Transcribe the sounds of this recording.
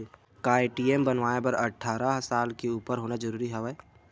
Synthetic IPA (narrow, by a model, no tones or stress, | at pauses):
kaːeʈiːembənʋaːepəɾɐʈʰːaːɾaɦsaːlkeuːpəɾɦoːnad͡ʒəɾuːɾiɦɛʋɛ